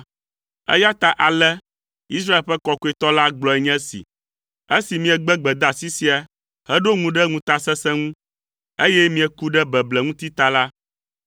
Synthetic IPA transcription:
ɛ̰˦ja˦t̪a˨ʔa˨lɛ˦ | i˦s̬ɾa˦e˨lɸɛ˦kɔ˨ko˦ɛ˨t̪ɔ˦la˦ɡ͡blɔ˨ɛ˨ɲɛ̃˦sḭ˨ | e˦si˨mĩ˦ɛ˨ɡ͡bɛ˦ɡ͡bɛ˨d̪a˨si˦si˦a˨ | hɛ˦ɖo˦ŋũ˨ɖɛ˦ŋũ˨t̪a˨sɛ˦sɛ̃˦ŋũ˦ | e˦jɛ˦mĩ˨ɛ˨ku˦ɖɛ˦bɛ˨blɛ˨ŋũ˦t̪i˦t̪a˨la˦

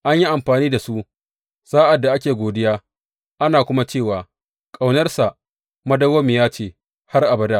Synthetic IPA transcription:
ʔa˦ɲji˦ʔa˨mɸaː˨niː˦da˨su˦ʔ | saː˦ʔa˨dːa˨ʔa˦kʲeː˨ɡʷoː˨dɪ˦jaː˦ | ʔa˦naː˨kʷʊ˦ma˦t͡ʃeː˦˨waː˨ | kʼa˨wnɐ˦rsa˨ʔ | mɐ˦dɐ˦woː˦mɪ˨jaː˦t͡ʃeː˦˨ | ha˦rʔa˨bɐ˦da˦ʔ

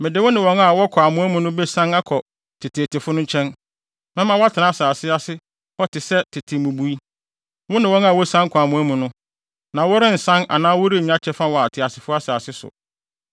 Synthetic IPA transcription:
mɪ̃˨dɪ˨˦wʊ˦nɪ̃˨wɔ̃˦ŋa˨wɔ˦kʰɔ˨a˨mʊ̃˦æ˦mũ˨nʊ̃˦be˦sã˦ŋa˦kʰɔ˨ | tʰɪ˨tʰɪ˨tɪ˨fʊ˦nʊ̃˦ɲ˦t͡ɕʰɛ̃˦n | mɛ̃˦mã˨wɔ˦a˦tʰɪ˨nã˨˦saː˨sɪ˦a˦sɪ˦ | hɔ˦tʰɪ˨sɛ˦tʰɪ˨tʰɪ˨mũ˨bu˦i˦ | wʊ˦nɪ̃˨wɔ̃˦na˨wɔ˦sã˦ŋkʰɔ˨a˨mũ˨˦æ˦mũ˨nʊ̃˦ | nã˨wɔ˦ɾɪ̃˦n̩˨sã˦na̰˨nãː˦wʊ˦ɾɪ˦˨ɲ˦ã˦t͡ɕʰɛ˦fa˦wɔ˨a˨tʰɪ˨a˨sɪ˨fʊ˦a˦sa˨a˨sɪ˦sʊ̰˨

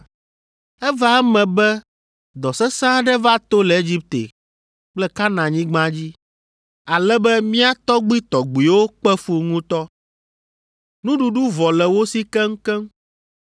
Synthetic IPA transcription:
ɛ˦va˨ɛ˦mɛ̃˨bɛ˦ | d̪ɔ˨sɛ˦sã˦ɖɛ˦va˦t̪o˦lɛ˨e˦d͡ʑi˦p̚t̪ḛ˨ | k͡plɛ˦ka˦nã˨ɲĩ˦ɡ͡bã˦d͡ʑi˦ | a˨lɛ˦bɛ˦mĩ˦a˦t̪ɔ˦ɡ͡bi˦t̪ɔ˨ɡ͡bi˨wo˦k͡pɛ˦fu˦ŋũ˦t̪ɔ˦ | nũ˦ɖu˨ɖu˦vɔ˨lɛ˨wo˦si˦kɛ˦ŋ̩˦kɛ˦m

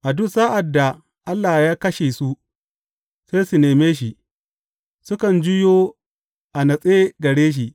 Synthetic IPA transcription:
ʔa˨dʊ˦˨saː˦ʔa˨dːa˨ | ʔa˦lːaː˨hjaː˦kɐ˦ʃe˨su˦ | se˦jsu˨neː˨meː˦ʃ̬i˨ʔ | sʊ˦kɐ˨nd͡ʒʊ˦joː˦ | ʔa˨nɐ˨sʼeː˦ɡɐ˨ɽeː˦ʃ̬i˨ʔ

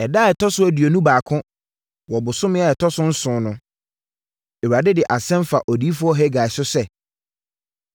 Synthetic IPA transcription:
ɛ˨da˦˨ɛ˨tʰɔ˦sʊ˦æ˨di˨o˨nũ˦baː˨kʰʊ̃˦ | wɔ˨bʊ˨sʊ˦mɪ̃˦a˦˨ɛ˨tʰɔ˦sʊ̃˦n̩˦sʊ̃ː˨˦nʊ̃˦ | ɛ˨wa˨dɪ˦dɪ˨ʔa˨sɛ̃˦m˦fa˨ʔɔ˨diː˦fʊ˦ɔ˦ɦɛ˦ɡa˨ɪ˨sʊ˦sɛ˦

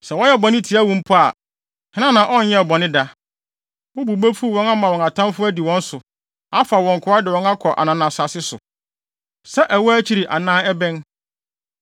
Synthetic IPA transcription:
sɛ˨wɔ̃˦jɛ˦˨bɔ̃˨nɪ̃˦tʰi˨˦a˦wũ˦m̩˦pʰʊ˦a˨ | hɪ̃˦n˦ã˦nã˨ʔɔ̃˦n̩˨˦jɛ˦˨bɔ̃˨nɪ̃˦da˨ | wʊ˦bu˨bo˦fu˦˨wɔ̃˦na˦mã˨wɔ̃˨ŋa˨tʰã˦mfʊ˦æ˦di˨wɔ̃˦n̩˦sʊ˨ | a˦fa˨wɔ̃˨ŋ˨kʰʊ˨ɾa˦dɪ˨wɔ̃˨˦na˦kʰɔ˨ʔa̰˨nã˨nã˨sa˨sɪ˦sʊ̰˨ | sɛ˦ʔɛ˨wɔ˦æ˦t͡ɕʰi˨˦ɾi˨ʔa̰˨nãː˦ɛ˦bɛ̃˦n

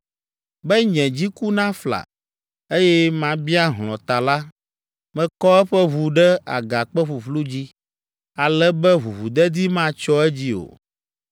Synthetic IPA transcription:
bɛ˦ɲɛ̃˨d͡ʑi˦ku˦nã˦fla̰˨ | e˦jɛ˦mã˦bi˦a˦ɦlɔ̰̃˨t̪a˨la˦ | mɛ̃˨kɔ˦ɛ˦ɸɛ˦βu˨ɖɛ˦a̰˨ɡa˨k͡pɛ˦ɸu˨ɸlu˦d͡ʑi˦ | a˨lɛ˦bɛ˦ɦu˨βu˨d̪ɛ˦d̪i˦mã˦t͡ʃɔ˦ɛ˦d͡ʑi˦o̰˨

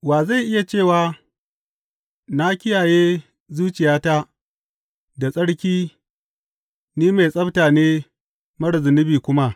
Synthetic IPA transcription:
waː˨za˦˨jʔɪ˦ja˨t͡ʃeː˦˨waː˨ | na˦kʲɪ˦jaː˨jeː˦ | zuː˦t͡ʃɪ˨jaː˦ta˦ | da˨sʼɐ˦ɽkʲiː˦ | niː˦ma˨jsʼɐ˦btaː˨neː˦ | mɐ˦ɽzʊ˨nɪ˦biː˨kʷʊ˦ma˦ʔ

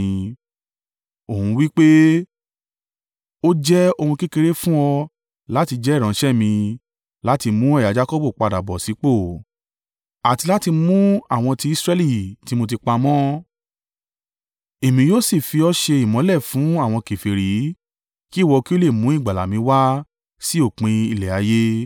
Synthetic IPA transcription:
o˨hũ˧wi˦k͡pe˦ | o˦d͡ʒɛ˦o˧hũ˧ki˦ke˧ɾe˦fũ˦ɔ˧ | la˦ti˧d͡ʒɛ˦i˦˨ɾ̃ã˨˦ʃɛ˦mĩ˧ | la˦ti˧mũ˦ɛ˦˨ja˨˦d͡ʒa˦kɔ˦bu˦˨k͡pa˧da˨bɔ˨si˨˦k͡po˦˨ | a˨ti˧la˦ti˧mũ˦a˦˨w̃ɔ̃˧ti˧i˦sɾɛ˦li˦˨ti˨˦mo˧t̬i˧k͡pa˧mɔ̃˦ | e˨mĩ˨˧joː˦si˦˨fi˧ɔ˦ʃe˧i˨mɔ̃˨˦lɛ˦˨fũ˨˦a˦˨w̃ɔ̃˧ke˨fe˨ɾi˨˦ | ki˦˨wɔ˧ki˦o˦le˦˨mũ˨˦i˦˨ɡ͡ba˨la̰˨mĩ˧˦wa˦ | si˦o˦˨k͡pĩ˧i˧lɛ˨a˨˦je˦

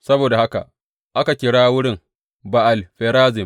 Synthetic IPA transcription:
sɐ˦boː˨da˨ha˦ka̰˨ʔ | ʔa˦ka˨kʲɪ˨ɽaː˦wʊ˦ɽɪ˦ŋ | ba˨ʔa˨lɸɛː˨ɾaː˦zɪ˨m

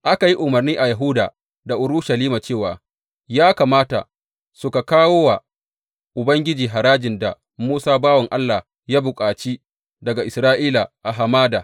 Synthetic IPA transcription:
ʔa˦ka˨ji˦ʔʊ˨mɐ˨rniː˦ʔa˨ja˨ɦu˦da̰ː˨ | da˨ʔʊ˨ɾʊ˦ʃa˨liː˦ma˨t͡ʃeː˦˨wa̰ː˨ | jaː˦ka˨maː˦ta̰˨ | sʊ˨ka˨kaː˦woː˦wa˨ | ʔʊ˨bɐ˦ŋɡʲɪ˦d͡ʒiː˨ɦa˨ɾaː˦d͡ʒɪ˨nda̰˨ | muː˦saː˦baː˦wɔ˨ŋʔa˦lːa˨ | jaː˦bʊ˨kʼaː˨t͡ʃiː˦ | dɐ˨ɡa˨ʔɪ˨sɾaː˦ʔiː˦la˨ʔa˨ɦa˨maː˦daː˨

